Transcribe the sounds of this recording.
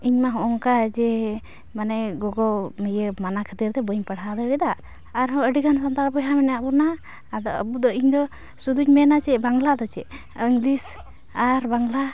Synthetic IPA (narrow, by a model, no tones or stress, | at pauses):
iɲmaɦɔ̃ʔɔŋkad͡ʒɛ | manɛɡɔɡɔmijemanakʰət̪iɾt̪ɛbəɲpəɽad̪ɔɾɛd̪aː | ɾɦɔəɖikʰansant̪aɾpɔɦamɛnjaʔbɔna | d̪ɔəbud̪ɔiɲd̪ɔ | sud̪uɲmɛnat͡ʃɛbaŋlad̪ɔt͡ʃɛ | iŋɡlis | aɾbaŋla